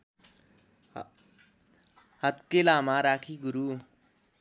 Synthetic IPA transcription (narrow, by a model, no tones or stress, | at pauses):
hʌt̪kelamaɾakʰiɡuɾu